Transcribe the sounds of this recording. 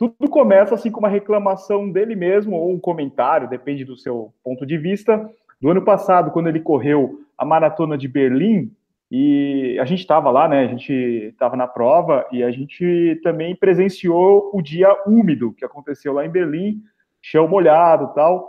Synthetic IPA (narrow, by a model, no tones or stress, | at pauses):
t̪ud̪ʊkomɛsɐasĩkõumɐɦeklɐmasɐ̃w̃d̪elɪmezmʊowũkomẽnt̪aɾjʊd̪epẽd͡ʒɪd̪ʊsewpõnt̪ʊd͡ʒɪvist̪ɐ | d̪ʊɐ̃nʊpasad̪ʊkwɐ̃nd̪ʊelɪkoɦewɐ̰maɾat̪õnɐd͡ʒɪbeɾlĩ | ɪa̰ʒẽnt͡ʃɪ̥t̪avɐlanɛaʒẽnt͡ʃɪt̪avɐnɐpɾɔvɐʔɪaʒẽnt͡ʃɪt̪ɐ̃mbẽj̃pɾezẽsioʊd͡ʒiɐumid̪ʊkɪakõnt̪esewlaẽj̃beɾlĩ | ʃɐ̃w̃moʎad̪ʊt̪aw